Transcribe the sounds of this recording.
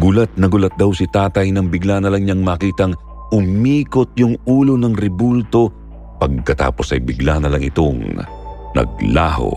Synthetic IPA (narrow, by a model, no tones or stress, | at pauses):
ɡʊlat̪̚nɐɡʊlɐt̪̚d̪ɐwsɪt̪aːt̪ɐjnɐŋbɪɡlanɐlɐŋɲaŋmaːkiːt̪ɐŋ | ʔʊmiːkot̪̚jʊŋuːlonɐŋɾɛbult̪o̞ | pɐɡ̚kɐt̪a̰ːpo̞sɐ̰jbɪɡlanɐlɐŋɪt̪o̞ŋ | nɐ̰ɡ̚la̰ho̰